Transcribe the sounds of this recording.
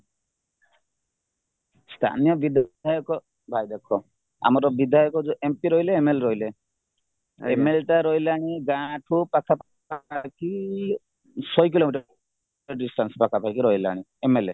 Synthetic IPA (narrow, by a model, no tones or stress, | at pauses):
st̪ʰa̰nijɔbid̪ʱajɔkɔ | bʱajd̪ekʰɔ | a̰mɔɾɔbid̪ʱajɔkɔd͡ʒoʔempiɾɔɦileːmelɾɔɦile | emelʈaɾɔileaɽ̃iɡãʈʰupakʰap | ki | sɔjk̬ilomiʈɔ | ɔɖisʈansɔ̥pakʰapakiɾɔɦila̰ɽ̃i | emele